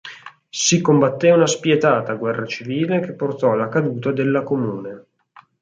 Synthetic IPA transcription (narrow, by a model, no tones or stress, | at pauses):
sikombat̪ːeunaspjet̪aːt̪aɡwɛrːat͡ʃiviːlek̟epːort̪ɔlːakad̪uːt̪ad̪elːakomuːne